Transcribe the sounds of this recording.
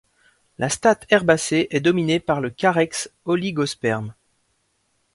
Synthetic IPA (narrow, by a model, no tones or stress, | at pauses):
lʔast̪at̪ʰɛʁbaseʔɛd̪ɔminepaʁləkʲaʁɛksɔliɡɔspɛʁm